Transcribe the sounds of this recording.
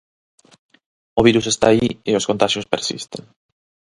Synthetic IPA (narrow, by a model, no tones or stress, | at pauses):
oβ̞iɾusest̪a̰ːieoskont̪aʃjospeɾsḭst̪ḛŋ